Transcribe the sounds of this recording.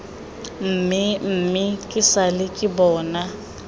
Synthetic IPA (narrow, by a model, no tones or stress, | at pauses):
m̩ːmɪm̩ːmɪkʼɪsalɪkʼɪbɔːna